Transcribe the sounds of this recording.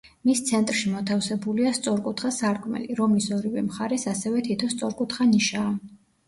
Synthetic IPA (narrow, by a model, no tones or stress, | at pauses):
mist̪sʰɛnt̪ʼɾʃimɔt̪ʰafsɛbuliast̪sʼɔɾkʼut̪ʰχasaɾkʼmɛ̰liɾɔmisɔɾivɛ̰mχaɾɛsasɛvɛt̪ʰit̪ʰɔst̪sʼɔɾkʼut̪χaniʃaː